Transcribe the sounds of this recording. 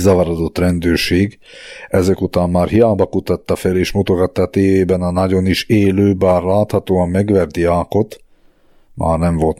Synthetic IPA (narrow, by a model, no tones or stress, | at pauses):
zɒvɒɾɒd̪o̞t̪rɛnd̪øːrʃeːɡ | ɛzɛkut̪aːmːaːrhijaːbɒkut̪ɒt̪ːɒfɛleːʃmot̪oɡɒt̪ːɒːt̪eːveːbɛnɒnɒɟo̞niʃeːløːbaːrlaːt̪hɒt̪oːɒmːɛɡʋɛrd̪iaːko̞t̪ | mʔa̰ːrnɛɱvo̞lt̪